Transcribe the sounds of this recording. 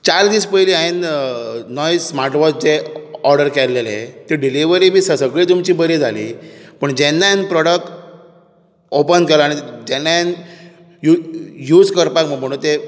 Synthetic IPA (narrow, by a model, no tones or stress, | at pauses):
t͡ɕaɾd̪iːspəjliːain | nɔjsmaɾʈʋɔt͡sd͡ʑeɔɾɖəɾkɛlːelḛt̪eɖiliʋəɾibʱiːsəsəɡɭiːt̪umt͡ɕiːbəɾiːd͡zʱalḭːpəɳd͡ʑɛnːajenpɾɔɽəkʈ | opənkelaaɽ̃id͡ʑɛnːaen | jujuːd͡zkəɾpakm̤əɡm̤əɽ̃uːnt̪e